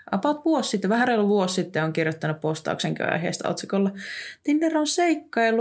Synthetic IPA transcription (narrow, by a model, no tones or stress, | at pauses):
ʔɑpɑt̪ʋuossit̪ːeʋæhærelʋuosːit̪ːeoŋkirjot̪ːɑnuppost̪ɑ̰ṵkseŋky̰ɑ̰iɦḛːst̪ɑ̰o̰t̪sikolːɑt̪inːeronseikːɑilː